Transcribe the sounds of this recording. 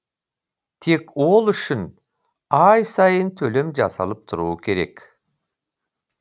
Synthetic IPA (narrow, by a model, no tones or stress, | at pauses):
t̪ʰe̞ko̞lˠʏʃʏn | ɑjsɑjənt̪ʰɵle̞md͡ʒɑ̰sɑ̰lˠəp̚t̪ʰʊɾuːəkʲʰe̞ɾe̞k